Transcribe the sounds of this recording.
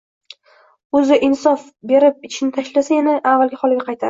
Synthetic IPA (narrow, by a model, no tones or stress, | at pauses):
ɵzɪʔɪnsɒf | be̞ɾɪp̚ɪt͡ʃʰɪnɪt̪ʰaʃlasajanaʔavːalɡʲɪhɒlɪɡʲaqʰɑjt̪ʰaɪ